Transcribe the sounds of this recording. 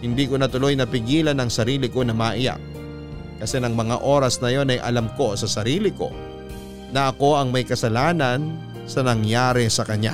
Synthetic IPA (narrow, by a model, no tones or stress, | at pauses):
hɪnd̪iːkonɐt̪ʊlo̞jnɐpɪɡiːlɐnɐŋsɐɾiːlɪko̞nɐmaːʔɪja̰k̚ | kɐsɛnɐŋmɐŋa̰ʔo̞ːɾɐsnɐjo̞nɐjʔɐ̰lɐmko̞sɐsɐɾiːlɪko̞̰ | nɐʔɐko̞ʔɐŋmɐjkɐsɐlaːnɐn | sɐnɐŋjaːɾɛsɐkɐɲa̰